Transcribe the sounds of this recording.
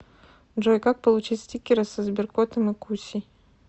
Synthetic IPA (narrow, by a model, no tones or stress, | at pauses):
d͡ʒojkak̚pɐlˠut͡ʃitʲsʲtʲikʲɪɾɐsɐzbʲɪrkot̪ʰɐmɨkʰusʲi